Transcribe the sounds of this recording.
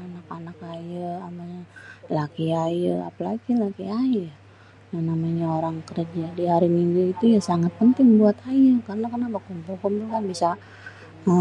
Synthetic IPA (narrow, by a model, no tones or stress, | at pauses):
anakanakajəamaɲalakiajəa̰palaɡilakiajə | janamaɲaoɾaŋkərd͡ʒadiɦaɾimiŋɡuit̪ujasaŋat̪̚pənt̪ɪŋbuat̪ajəkarənakənapakumpulkumpʊlkanbisa | ə